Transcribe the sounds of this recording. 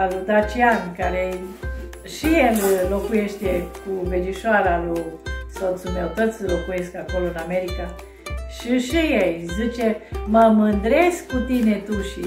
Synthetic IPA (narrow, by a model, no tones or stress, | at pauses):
aʒud̪at͡ʃiankaɾe | ʃijello̞kujeʃt̪ekuved͡ʒiʃoaɾaluso̞t̪sume̞wt̪ot̪sʲlo̞kuje̞skako̞loɨname̞ɾika | ʃiʃijejzit͡ʃe̞məmɨnd̪ɾeskkut̪ine̞t̪uʃi